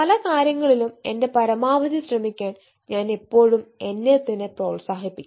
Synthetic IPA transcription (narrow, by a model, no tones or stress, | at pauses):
pɐlɐkaːɾjɐŋːɐɭilume̞nde̞pɐɾɐmaːʋɐðiɕrɐmikʲːaːn | ɲaːnepːo̞ːɻume̞nːet̪ːinɨproːɭsaːɦipːikʲː